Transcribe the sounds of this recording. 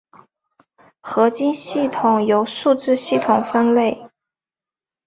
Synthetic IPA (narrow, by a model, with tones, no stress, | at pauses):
xɤ˧˥t͡ɕi˥nɕi˥˩t̪ʰʊ˨˩ŋjo˧˥ʊʂu˥˧ʈ͡ʂɻ̩˥˧ɕi˥˩t̪ʰʊ˨˩ŋfə˥nle˥˩ɪ